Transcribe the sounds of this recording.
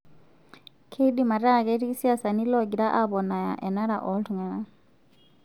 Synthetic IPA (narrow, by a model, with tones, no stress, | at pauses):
kʰe˦ɗi˨ma˨ɾa˦˨kɛ˦ɾi˦ki˦si˦a˦˨sa˨ni˦lɔ˦˨ɡi˨ɾa˦ʔa˦βɔ˨na˨ja̰˨ʔɛ˨na˦ɾa˨ʔɔ˦ltu˨ŋa˨na